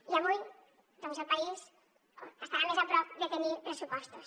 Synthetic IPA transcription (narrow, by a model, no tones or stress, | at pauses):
iaβuj | d̪ɔmzelpaiz | əst̪aβamezapɾɔp̚d̪ət̪ənipɾəsupɔst̪us